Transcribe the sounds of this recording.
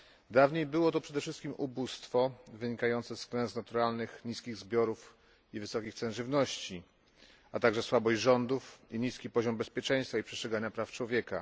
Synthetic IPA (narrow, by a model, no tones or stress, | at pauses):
d̪avɲejbɘwɔt̪ɔpʂɛd̪ɛfʂɘst̪kʲimʔubust̪fɔvɘɲikajɔnt̪sɛsklɛñznat̪uɾalnɘxɲiskʲiɣzbʲjɔɾuf | ivɘsɔkʲixt̪sɛnʐɘvnɔɕt͡ɕi | at̪aɡʐɛswabɔʑd͡ʑʐɔnd̪ufiɲiskʲipɔʑɔmbɛspʲjɛt͡ʂɛj̃st̪faipʂɛst̪t͡ʂʂɛɡaɲapɾaft͡ʂwɔvʲjɛka̰